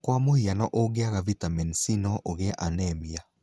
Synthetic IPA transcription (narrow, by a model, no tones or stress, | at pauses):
kwamohianɔʔoɡeaɣavitamɛnsinɔʔoɣeaʔanɛːmia